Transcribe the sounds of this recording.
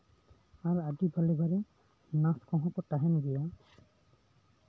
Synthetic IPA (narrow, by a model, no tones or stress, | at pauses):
aɾadibʱalebʱaɾe | naskɔ̃ɦɔ̃kɔʈaɦɛnɡ̪ijɔ